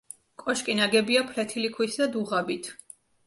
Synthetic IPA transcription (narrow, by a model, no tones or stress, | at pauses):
kʼɔʃkʼinaɡɛbiapʰlɛt̪ʰilikʰwisd̪ad̪uʁabit̪ʰ